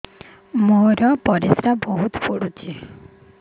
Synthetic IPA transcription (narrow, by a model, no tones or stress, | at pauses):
moɾɔpɔɾisɾabɔɦut̪pʰoɽut͡ʃʰe